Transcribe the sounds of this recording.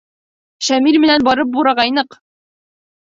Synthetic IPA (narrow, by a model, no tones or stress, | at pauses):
ʃæmiɾmɘ̆nænbɒɾɤp̬̚buɾɑʁɑjnɤq